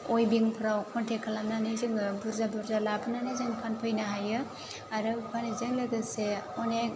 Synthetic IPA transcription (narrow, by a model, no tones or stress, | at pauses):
ojbiŋpʰɯɾawkʰɔntʰekʰːalamnanɯzɯŋbuɾzabuɾzalapʰɯnanɯjzɯŋpʰanpʰɯjnaɦajɯ | aɾɯpʰanizɯŋlɯɡɯseɔnek̚